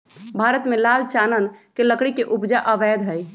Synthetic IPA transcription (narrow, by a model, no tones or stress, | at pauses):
bʱaɾət̪melalt͡ʃanənkeləkɽikeʔupd͡ʒaʔəʋɛd̪ɦəj